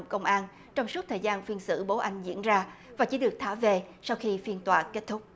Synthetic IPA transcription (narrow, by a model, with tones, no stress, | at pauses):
ŋ͡mkə˧wŋ͡mʔaː˧n | t͡ɕɔ˧wŋ͡msu˦˥t̚t̪ʰəː˨˩jzaː˧nfi˧ənsɨ̰˧˥˩ɓo˨˦ʔa˧jŋ̟zḭ˧˥ənzaː˧ | vaː˨˩t͡ɕi˧˦ɗɨ˨˩ək̚t̪ʰaː˧˩ve˨˩sa˧wxi˧fi˧ənt̪waː˨˩ke˦˥t̚t̪ʰʊ˦˥k͡p̚